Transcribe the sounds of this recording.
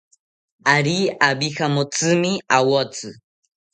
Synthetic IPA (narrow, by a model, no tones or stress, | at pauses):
aɾiabixamot͡sɨmiawot͡sɨ